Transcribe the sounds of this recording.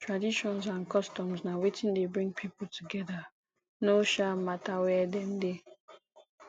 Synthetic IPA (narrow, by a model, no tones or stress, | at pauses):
tɹadiʃɔ̃nsãnkɔstɔ̃msnawetĩndebɹĩŋɡ̚pʰipul̩tʰuɡɛda | noʃamatawɛdɛ̃mde